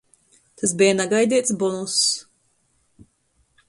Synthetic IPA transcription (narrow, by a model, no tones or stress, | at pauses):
t̪as̬bijanaɡajd̪iɛt̪sbɔnus